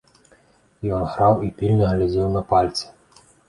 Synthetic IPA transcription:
jɔnɣɾɑwipʲilʲnʲɛɦlʲad̪ʲɪwnɐpalʲt̪sʲɪ̥

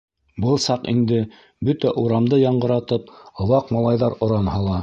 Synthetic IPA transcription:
bɤlˠsɑqḭnd̪ɘ | bɵt̪æʔuɾɑmd̪ɤjɑɴɢɤ̆ɾɑt̪ɤp̚ŏwɑqmɑlˠɑjðɑɾŏɾɑmhɑlˠɑ

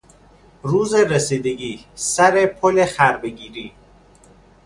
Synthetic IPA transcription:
ɾuːzeɾesiːd̪eɡiːsæɾepʰolexæɾbeɟiːɾiː

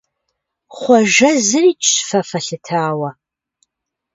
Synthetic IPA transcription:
χʷɔʒɐzɨriːt͡ʃʼɕfɐfɐɬɨtʰaːwɐ

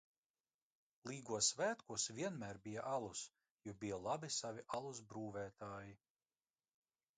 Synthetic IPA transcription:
lˠiːɡuɔsvæːt̪kuɔsvʲiɛnmæːɾbija̰ʔalˠus | jubijalˠabisavʲiʔalˠusbɾuːvæːt̪aːji

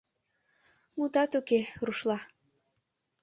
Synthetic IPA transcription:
mut̪ɑt̪ukeruʃlɑ

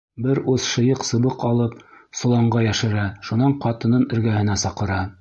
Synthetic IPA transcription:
bɘɾuðʃɤ̆jɤqsɤ̆βɤqɑlˠɤp̚sŏlˠɑɴɢɑjæʃɘ̆ɾæʃunɑɴqɑt̪ɤ̆nɤnɘ̆ɾɡæhɘ̆næsɑqɤ̆ɾɑ

